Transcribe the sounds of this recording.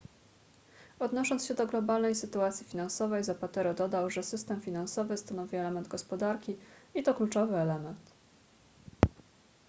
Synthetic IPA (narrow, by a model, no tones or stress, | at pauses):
ɔd̪nɔʂɔnsɕɛd̪ɔɡlɔbalnɛjsɘt̪uat̪sʲjifʲinansɔvɛjzapat̪ɛɾɔd̪ɔd̪awʐɛsɘst̪ɛmfʲinansɔvɘst̪anɔvʲiɛlɛmɛnd̪ɡɔspɔd̪aɾkʲiit̪ɔklut͡ʂɔvɘɛlɛmɛnt̪